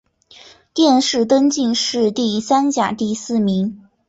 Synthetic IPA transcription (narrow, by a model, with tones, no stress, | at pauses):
t̪jɛ˥˧nʂɻ̩˥˩t̪ə˥nt͡ɕi˥˧ŋʂɻ̩˥˧t̪i˥˩sa˥nt͡ɕja˨˩t̪i˥˧sɹ̩˥˩mi˧˥ŋ